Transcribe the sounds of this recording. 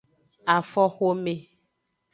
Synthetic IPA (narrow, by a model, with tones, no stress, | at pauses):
a˨fɔ˦xo˦mẽ˨